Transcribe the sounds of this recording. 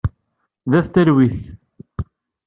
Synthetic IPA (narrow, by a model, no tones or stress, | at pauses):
ðæθt̪æɾwiθ